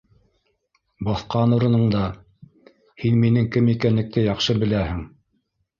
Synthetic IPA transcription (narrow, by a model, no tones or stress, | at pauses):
bɑθqɑnuɾɤ̆nɤ̆ɴd̪ɑ | hinminɘŋkɘmikænlɘ̆k̚t̪ɘjɑχʃɤbɘ̆læhɘŋ